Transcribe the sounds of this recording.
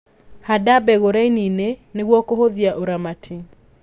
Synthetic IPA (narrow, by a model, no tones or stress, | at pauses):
hadabɛɣoɾainineneɣwɔkohoðjaʔoɾamatʰi